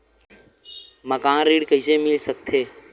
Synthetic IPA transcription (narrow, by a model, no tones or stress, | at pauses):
məkããɾiːɽkəɦisemɪlsək̚t̪ʰeː